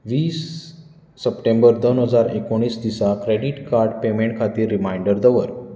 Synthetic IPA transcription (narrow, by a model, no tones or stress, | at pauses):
ʋiːsː | əpʈẽmbəɾd̪onɦəd͡zaɾekoɳ̃ːiːsd̪isakɾeɽiʈkaɾɖpemẽɳʈ̚kʰat̪iːɾːimaiɳɖəɾd̪əʋəɾ